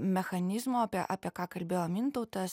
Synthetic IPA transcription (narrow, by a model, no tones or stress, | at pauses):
mʲɛxɐnʲɪzmoːɑpʲiɛʔɑːpʲiɛkɑːkɐlʲbʲeːjoːmʲɪnt̪ɐʊt̪ɐs